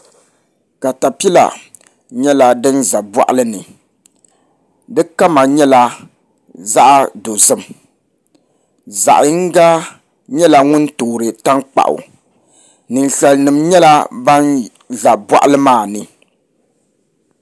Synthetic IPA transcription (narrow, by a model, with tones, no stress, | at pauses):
ka˨ta˨pi˦la̰˨ | ɲɛ˦la˦dɨ˦nza˨ba̰˦ʔlɨ˦nɨ˨ | dɨ˦ka˦ma˨ɲɛ˦la˦ | za˦ʔa˦do˨zɨ˦m | za̰˨ʔŋ̩˦ɡa˦ | ɲɛ˦la˦ŋʊ˦n˦toː˨ɾɨ˨ta˦ŋk͡pa̰˨ʔʊ̰˨ | nɨ˨n˨ɬɛ˨lnɨ˨mɲɛ˦la˦ba˦n | za˨bwa̰˦ʔlɨ˦maː˦˨nɨ˨